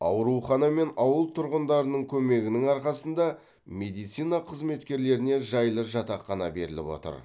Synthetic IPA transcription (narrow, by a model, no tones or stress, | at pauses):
ɑwɾuχɑnɑme̞nɑwəlˠt̪ʰʊɾʁənd̪ɑɾənəɴkʲʰɵme̞ɡʲɪnɪŋɑɾqɑsənd̪ɑ | me̞d̪ijt̪sijnɑqʰəzme̞t̪kʲe̞ɾle̞ɾɪne̞ʒɑjlˠəʒɑt̪ɑqːɑnɑbe̞ɾɪlɪpwo̞̰t̪ə̰ɾ